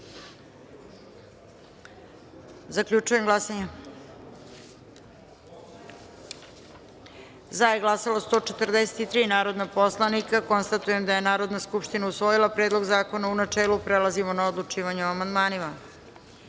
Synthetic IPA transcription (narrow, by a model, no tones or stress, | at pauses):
zakʎut͡ʂuje̞mɡlˠasaɲa | zajeɡlˠasalost̪o̞ːt͡ʃet̪rd̪eset̪it̪ɾiːnaːɾo̞d̪napo̞slˠanikako̞nst̪at̪uje̞md̪ajenaːɾo̞d̪naskupʃt̪inausʋo̞jilˠapɾeːd̪lˠo̞ɡzaːko̞naunat͡ʂeːlupɾelazimonaod̪lˠut͡ʂiːʋaɲuamand̪maːnima